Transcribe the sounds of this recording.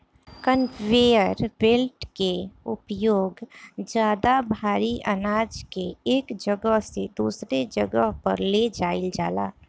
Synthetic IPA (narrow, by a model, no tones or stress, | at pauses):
kənʋeːjəɾbelʈkeʊpjoːɡd͡ʒjaːd̪abʱaːɾiʔənaːd͡ʒkeeːkd͡ʒəɡəɦsed̪uːsɾed͡ʒəɡəɦpə̰ɾled͡ʒaːɪld͡ʒa̰ːla̰ː